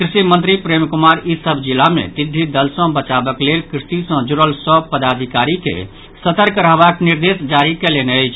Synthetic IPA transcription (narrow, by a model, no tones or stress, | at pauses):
kɾisimə̃nt̪ɾipɾemkumaɾisəbʱd͡ʒilamḛt̪id̪ʱːid̪əlsə̃bət͡ʃabəklelkɾisisə̃d͡ʒuɾəlsəpəd̪ad̪ʱikaɾikḛ | sət̪əɾkəɾəɦbakniɾd̪esd͡ʒaɾikeleneəjt͡ʃʰ